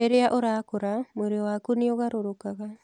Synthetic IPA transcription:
eɾeaʔoɾakoɾamoɾeoakunioɣaɾoɾokaɣa

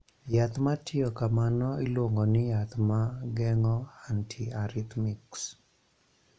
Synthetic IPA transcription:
jat̪matʰɪɔkamanɔilwoŋɡɔnɪjat̪maɡɛŋɔantʰiaɾit̪miks

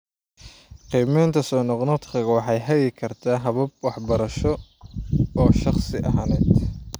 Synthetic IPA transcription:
qiːmɛjnt̪ʰɐsɔːnɔqnɔt̪qʰɐɣɐwɑħɑjɦɐɣɛkʰɐrt̪ʰaːɦɐβɐb̚wɑħbɐɾɐʃɔ | ɔːʃɑχsɪʔɐ̰ɦɐːnɛd̪

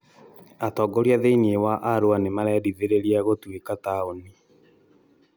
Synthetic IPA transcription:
atɔːɡoɾjaðeiniewaʔaɾoanemaɾɛɾiðeɾeɾiaɣotwekataoni

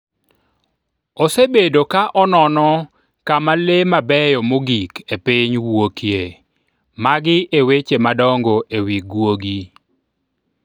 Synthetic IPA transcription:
osebedokaʔɔnɔnɔ | kamalemabɛjɔmoɡikepɪɲwokje | maɡɪʔewet͡ʃemadɔŋɡoʔewiɡwoɡi

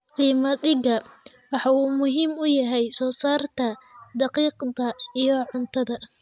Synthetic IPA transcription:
qiːmɐd̪ɪɣɐ | wɑħɑuːmʊɦiːmʊjɐɦɛjsɔːsaːrt̪ʰɐd̪ɑqiːqd̪ɐijɞʕʊnt̪ʰɐðɐ

